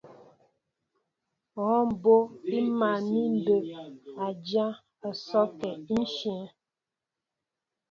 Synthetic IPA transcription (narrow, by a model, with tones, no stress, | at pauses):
ɣɔ˨˦m̩˨bo˦i˦ma˨ni˦n̩˦do˨a˨d͡ʒa˦ | a˨sɔ˦kɛ˨˦n̩˦ʃjɛ̃˨˦